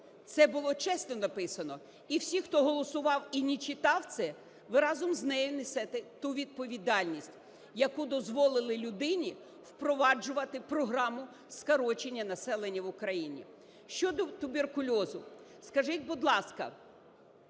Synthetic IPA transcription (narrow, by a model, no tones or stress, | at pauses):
t̪sɛbʊlˠɔt͡ʃɛsnɔnɐpɪsɐnɔ | iwsʲixt̪ɔɦɔlˠɔsʊʋɑwinʲit͡ʃɪt̪ɑwt̪sɛ | ʋɪɾɑzɔmznɛjɔnesɛt̪ɪt̪uʋʲid̪̚pɔʋʲid̪ɑlʲnʲisʲtʲ | jɐkud̪ɔzʋɔlˠɪlˠɪlʲʊd̪ɪnʲi | wpɾɔʋɑd͡ʒʊʋɐt̪ɪpɾɔɦɾɑmʊ | skɐɾɔt͡ʃenʲːɐnɐsɛlˠenʲːɐʋʊkɾɐjinʲḭ | ʃt͡ʃɔd̪ɔt̪ʊberkʊlʲɔzʊskɐʒɪtʲbʊd̪lˠɑskɐ̰